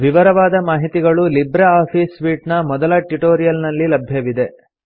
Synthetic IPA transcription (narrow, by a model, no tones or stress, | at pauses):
ʋiʋɐɾɐʋaːd̪ɐmaːɦit̪iɡɐɭulibɾɐaːpʰiːsʋiːʈnɐmɔd̪ɐlɐʈuʈoːɾijɐlnɐlːilɐbʱjɐʋid̪e̞